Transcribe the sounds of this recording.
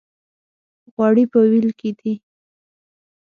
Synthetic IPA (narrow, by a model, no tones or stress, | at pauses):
ɣwɑɽipəwilked̪i